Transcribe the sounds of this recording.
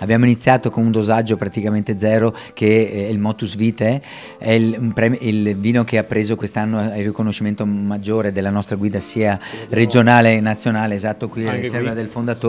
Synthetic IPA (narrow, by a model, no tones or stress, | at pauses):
abːjaːmoinit̪sːjaːt̪okonund̪ozad͡ʒːopɾat̪ikament̪ed̪zɛːɾo | keɛilmɔːt̪usviːt̪e | ɛumpɾɛːmilviːnokeapːɾeːzokwest̪anːoirːikonoʃːiment̪omad͡ʒːoːɾed̪elːanɔst̪ɾaɡwiːd̪asiːared͡ʒonaːlenat̪sːjonaːleːzat̪ːokwiɾisɛrvad̪elfond̪at̪o